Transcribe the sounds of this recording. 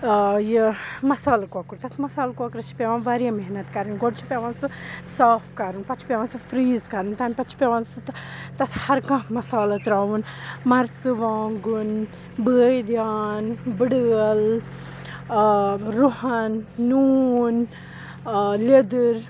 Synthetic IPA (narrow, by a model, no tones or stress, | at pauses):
jimɐsaːlkokuɾt̪ɐt̪ʰmɐsaːlkokɾɐt͡ʃʰi̥pʲeʋãːnʋaɾjaːmeɦnɐt̪kɐɾɨnɡoɽt͡ʃʰi̥pʲeʋãːnsɨsaːfkɐɾunpɐt͡ʃʰi̥pʲeʋaːnsɨfɾiːzkɐɾunt̪ɐnpɐt͡ʃʰi̥pʲeʋãːnsɨt̪t̪ɐt̪ʰhɐɾkãmɐsaːlɐt̪ɾaːʋunmɐɾsɨʋaːŋɡun | bəːjd̪jaːnbɨɽəəl | ɾuɦɐnːuːn | led̪ɨɾ